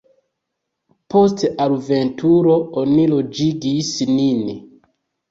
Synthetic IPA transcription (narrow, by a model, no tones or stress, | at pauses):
po̞staluve̞ntʰuɾo̞onilo̞d͡ʒiɡisnin